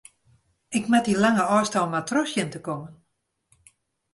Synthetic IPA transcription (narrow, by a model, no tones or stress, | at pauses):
ɪkmatilaŋəɔːstalmatʰrɔsjəntəkɔmən